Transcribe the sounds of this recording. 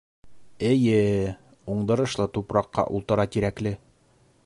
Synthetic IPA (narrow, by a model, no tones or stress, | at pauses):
ɘ̆jɘ | uɴd̪ɤ̆ɾɤ̆ʃlˠɤt̪upɾɑqːɑ̰ʔṵlˠt̪ɤ̆ɾɑt̪iɾæklɘ